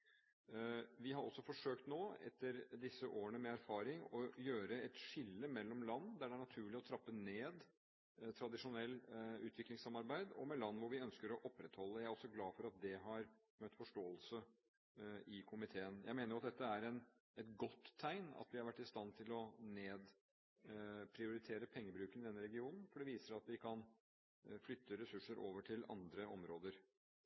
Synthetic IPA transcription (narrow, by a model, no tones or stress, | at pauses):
ʋɪɦɑɾɔ̰sːɔfɔʂøːk̚t̪noːɛ̰t̪ːəɾd̪ɪsːəʔoːəɳəmɛæɾfɑːɾɪŋɔjøːɾəɛt̪ʂɪlːəmɛlːɔmlɑnːd̪æɖɛæɳɑt̪ʰʉːɭɪɔt̪ʰɾɑpːəneːd̪ | t̪ʰɾɑd̪ɪʂʊnɛlːʉ̰ːt̪ʰʋɪklɪŋsɑmɑɾbæɪd̪ɔ̰mɛlɑnːʋʊɾʋɪœnskəɾɔʔɔpːɾɛt̪hɔlːəjæɪæɾɔsːɔɡlɑːfɔɾɑt̪̚d̪ɛɦɑɾ | mœt̪ːfɔʂʈoːəlsə | ɪkʰʊmɪt̪ʰeːənjʔæɪmeːnəɾjʊɑt̪̚d̪ɛt̪ːəæɾɛn | ɛt̪ɡɔt̪ʰːæɪnɑ̰t̪ʋɪhɑɾʋæʈːɪst̪ɑnt̪ʰɪlɔneːd̪ | pʰɾɪʊɾɪt̪ʰeːɾəpʰɛŋːəbɾʉːkənɪd̪ɛnːəɾɛɡɪuːnn̩fɔɖɛʋiːsəɾɑt̪ʋɪkʰɑn | flʏt̪ʰːəɾɛsʉʂːəɾʔo̰ːʋəʈʰɪlɑ̰nd̪ɾəɔ̰mɾoːd̪əɾ